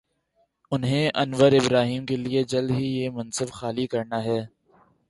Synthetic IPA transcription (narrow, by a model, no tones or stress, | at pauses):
ʊnɦẽʔɐnʋəɾɪbɾaːɦiːmkelied͡ʒɐld̪ɦijeːmɐ̃nsəbxaːlikɐɾnaːɦɛː